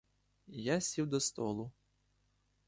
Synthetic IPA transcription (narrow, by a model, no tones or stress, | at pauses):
jasʲiwd̪ɔst̪ɔlˠʊ